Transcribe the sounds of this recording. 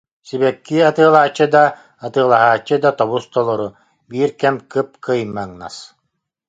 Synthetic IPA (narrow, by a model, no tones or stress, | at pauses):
siβɛkːiat̪ɯːlˠaːt͡ɕːɯd̪a | at̪ɯːlˠaɦaːt͡ɕːɯd̪at̪ɔβust̪ɔlˠɔɾu | biːɾkɛmkɯp̚kɯjmːaŋna̰s